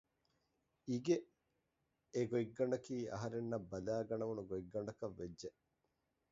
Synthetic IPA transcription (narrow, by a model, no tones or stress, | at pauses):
iɡe | eɡoiɡːɐɳɖɐkiːʔɐ̰ɦɐɾenːɐbːɐlaːɡɐɳɐʋunuɡoiɡːɐɳɖɐkɐʋːed͡ʒːe